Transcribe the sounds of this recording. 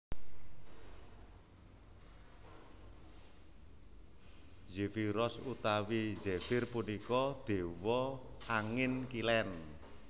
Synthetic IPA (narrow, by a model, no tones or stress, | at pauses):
zefiɾɔsut̪awizefɪrpunikɔd̪̥e̤wɔaŋɪnkilɛn